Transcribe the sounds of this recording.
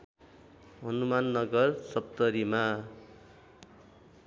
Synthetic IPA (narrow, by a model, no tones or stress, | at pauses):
ɦʌnumanːʌɡʌrsʌpt̪ʌɾima